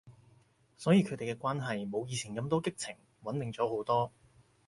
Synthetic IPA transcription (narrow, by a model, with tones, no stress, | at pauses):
sɔː˨˥jiː˧kʰɵ˨˥t̪e˨jkɛː˧kʷaː˥nɦɐ˨jmo˨˧wjiː˨˧t͡sʰiː˨˩nkɐ˧mt̪ɔː˥kɪ˥k̚t͡sʰɪ˨˩ŋ | wɐ˨˥nt̪ɪ˨ŋt͡sɔː˨˥ho˨˥wt̪ɔː˥